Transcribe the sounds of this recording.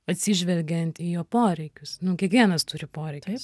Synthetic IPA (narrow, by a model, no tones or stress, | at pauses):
ɐt̪ʲsʲiʒʲʋʲɛlʲɡʲɛnt̪iːjoːpoːɾʲɛɪkʲʊsnʊkʲiɛkʋʲiɛnɐst̪ʊɾʲɪpoːɾʲɛɪkʲʊs